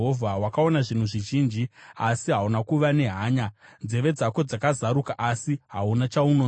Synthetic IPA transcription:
ɦovʱawakao̞naʐin̤uʐiʒiːnd͡ʒiasiɦaunakuʋane̞ɦaːɲanze̞ʋe̞d͡zako̞d͡zakazaɾukaʔasiɦaunat͡ʃauno

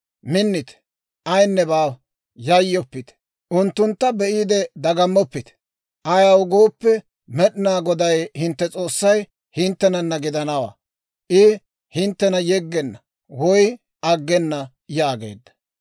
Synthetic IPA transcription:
mɪnːɪt̪ɛ̥ | ʔɐjnːɛbaː | jɐjːɔpːɪt̪ɛ̥ | ʔʊnt̪ːʊnt̪ːɐbɛʔiːd̪ɛd̪ɐɡɐmːɔpːɪt̪ɛ̥ | ʔɐjɐwɡoːpːɛ | mɛɗɪnaːɡɔd̪ɐjhɪnt̪ːɛt͡sʼo̞ːsːɐj | hɪnt̪ːɛnɐnːɐɡɪd̪ɐnɐwa̰ː | ʔɪ | hɪnt̪ːɛnɐjɛɡːɛnːɐ | wɔj | ɐɡːɛnːɐ | jaːɡḛːd̪ːɐ̥

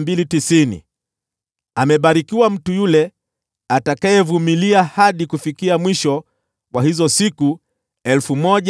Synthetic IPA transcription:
mbilitisinḭ | amɛɓaɾikiwam̩tujulɛ | atakajɛvumiliahaɗikufikiamwiʃɔ | kwahizɔsiku | ɛlfumɔʄ

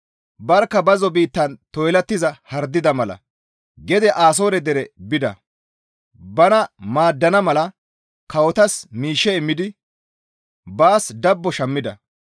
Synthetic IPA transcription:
bɐɾkːɐbɐzɔbiːt̪ːɐnt̪ɔjlɐt̪ːɪzɐhɐɾd̪ːɪd̪ɐmɐlɐ̰ | ɡɛd̪ɛʔaːs̬oːɾɛd̪ɛɾɛbɪd̪ɐ̰ | bɐnɐmaːd̪ːɐnɐmɐlɐ | kɐwɔt̪ɐsmiːʃːɛɪmːɪd̪ɪ | baːsd̪ɐbːɔʃɐmːɪd̪ɐ̰

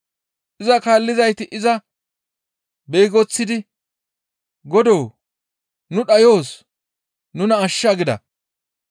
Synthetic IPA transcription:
ʔɪzɐkaːlːɪzɐjt̪ɪʔɪzɐ | bejɡɔt͡sːɪd̪ɪ | ɡɔd̪o̞ː | nʊɗɐjo̞ːs | nʊnɐːʃːaɡɪd̪ɐ̰

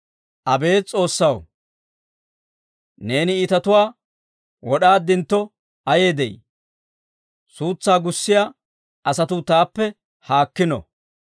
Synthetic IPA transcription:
ʔɐbe̞ːt͡sʼo̞ːsːɐw | ne̞ːnɪit̪ɐt̪ʊwaː | wɔɗaːd̪ːɪnt̪ːɔ | ɐje̞ːd̪ɛ̰j | suːt͡sːaːɡʊsːɪja | ʔɐsɐt̪ʊt̪aːpːɛ | haːkːɪnɔ̰

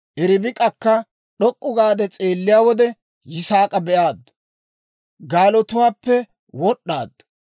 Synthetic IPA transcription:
ʔɛɾɪbɪkʼɐkːɐ | ɗɔkʼːʊɡaːd̪ɛt͡sʼe̞ːlːɪjaːwɔd̪ɛ | jɪsaːkʼɐbɛʔaːd̪ːʊ̥ | ɡaːlɔt̪ʊwaːpːɛ | wɔɗːa̰ːd̪ːʊ̥

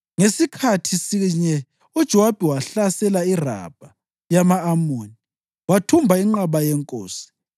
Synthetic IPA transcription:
ŋesikʰatʰisiɲɛ | ud̥ʒ̥ʱɛwab̥ʱiwaɬasɛlaira̰b̥ʱa | jamaːmoːni | watʰumbʱaiŋ͡ǃaβajɛŋkʼoːsi̥

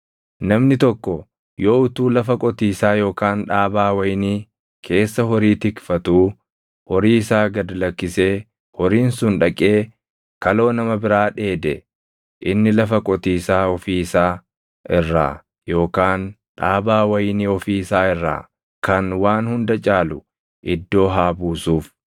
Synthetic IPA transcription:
nɐmnɪt̪ɔkːɔ | joːʊt̪uːlɐfɐkʼɔt̪iːsaːjo̞ːkaːnᶑaːbaːwɐjniː | kʰe̞ːsːɐhɔɾiːt̪ɪkfɐt̪uː | hɔɾiːɪsaːɡɐd̪lɐkːɪse̞ː | hɔɾiːnsʊnᶑɐkʼe̞ː | kɐlo̞ːnɐmɐbɪɾaːᶑe̞ːd̪ɛ | ʔɪnːɪlɐfɐkʼɔt̪iːsaːɔfiːsaː | ʔɪrːa̰ː | jo̞ːkaːn | ᶑaːbaːwɐjniɔfiːɪsaːɪrːa̰ː | kɐnwaːnhʊnd̪ɐt͡ʃʼaːlʊ | ʔɪd̪ːo̞ːɦaːbuːsuːf

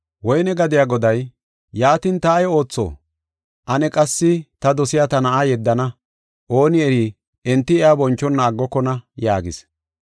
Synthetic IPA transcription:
wɔjnɛɡɐd̪ɪjaɡɔd̪ɐjː | aːt̪int̪ɐːjo̞ːt͡sːo̰ː | ʔɐnɛkʼɐsːɪt̪ɐd̪ɔsɪjaːt̪ɐnɐʔaːjɛd̪ːɐnɐ | ʔo̞ːnɪɛɾiː | ɛnt̪ːɪɛjaːbɔnt͡ʃːɔnːaːɡːɔkːɔnɐjaːɡɪs

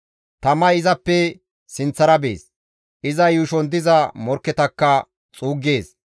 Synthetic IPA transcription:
t̪ɐmɐjɪzɐpːɛ | sɪnt͡sːɐɾɐbḛːs | ʔɪzɐjuːʃɔnd̪ɪzɐmɔɾkːɛt̪ɐkːɐ | t͡sʼuːɡːeːs

